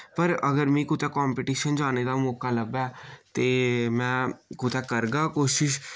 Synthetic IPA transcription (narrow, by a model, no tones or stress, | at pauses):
pəɾəɡəɾmĩːkʊt̪ɛːkɔːmpiʈiːʃənd͡ʒaːneːd̪aːmɔːkaːləbaːt̪eːmɛ̃ːkʊt̪ɛːkəɾɡaːkoːʃɪʃ